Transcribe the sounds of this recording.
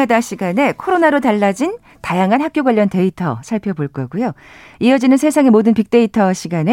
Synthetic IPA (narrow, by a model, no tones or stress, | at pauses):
adaɕʰiɡane̞kʰoɾonaɾotaɭːad͡ʑin | tajaŋɦanɦak͈joɡwaʎːʌnte̞itʰʌ̰sʰaɭpʰjʌboɭk͈ʌɡujo | iʌd͡ʑinɯnsʰe̞sʰaŋe̞modɯnpik̚t͈e̞itʰʌɕʰiɡane